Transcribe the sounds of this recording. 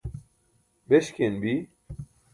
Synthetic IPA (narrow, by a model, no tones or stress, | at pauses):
bɛʃkʲenbi